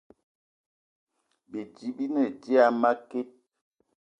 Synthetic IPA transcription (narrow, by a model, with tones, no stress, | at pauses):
be˨d͡ʒi˨˦bi˦nɛ˨d͡ʒi˦a˦ma˦ke˦